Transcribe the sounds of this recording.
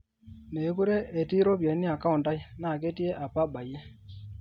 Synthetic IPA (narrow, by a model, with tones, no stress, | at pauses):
ne˨˦ku˦ɾe˦ʔe˨ti˦ɾo˦pje˨˦ni˦a˨ka˦u˨nta˦jna˦˨ke˦ti˦e˦ʔa˨pa˦ɓa˨je˦